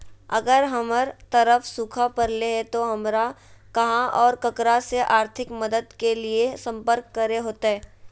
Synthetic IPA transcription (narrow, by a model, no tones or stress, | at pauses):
ɐ̰ɡəɾɦɐməɾt̪ɐɾəfsuːkʰapɐɾleɦɛt̪oɦɐmɾakɐɦãʔɔːɾkɐkɾaseʔaːɾt̪ʰɪkmɐd̪əd̪keliesɐ̃mpəɾkːɐɾeɦoːt̪aɦɛː